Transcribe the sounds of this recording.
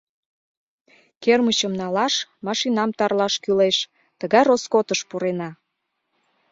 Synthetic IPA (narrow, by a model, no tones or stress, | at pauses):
kermət͡ɕəmnɑlɑʃmɑʃinɑmt̪ɑrlɑʃkyleʃ | t̪əɣɑjroskot̪əʃpuɾenɑ